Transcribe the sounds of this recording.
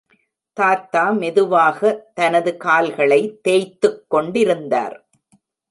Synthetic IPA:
t̪aːt̪ːaːmɛðɯʋaːɣɐt̪ɐnɐðɯkaːlɣɐɭɐɪt̪ːeːjt̪ːɯkːɔɳɖɪɾɯnd̪a̰ːɾ

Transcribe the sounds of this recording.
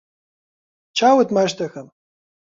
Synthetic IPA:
t͡ʃʰawɨt̪maʃt̪ʰaxɐm

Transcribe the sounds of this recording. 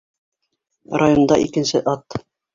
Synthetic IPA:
rajond̪ɑ̰ʔikɘ̆nsɘʔɑt̪

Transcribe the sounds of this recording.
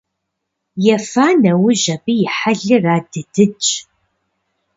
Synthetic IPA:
jɛfaːnɐwʊʒɐbijɪħaɮɨraːdɨdɨt͡ʃʼ

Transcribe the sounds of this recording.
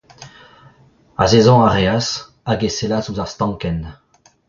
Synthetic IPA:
a̰zezɔ̃aʁeas | aɡeselazuzaʁst̪ɑ̃ŋkɛn

